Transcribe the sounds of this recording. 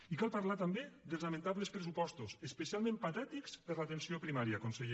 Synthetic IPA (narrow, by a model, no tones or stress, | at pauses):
ikalˠpaɾlat̪ambed̪əlˠznamẽnt̪aβləspɾesupɔst̪usəspəsialˠmẽmpat̪ɛt̪ikspəɾlat̪ensiopɾimaɾjaːkonseʎe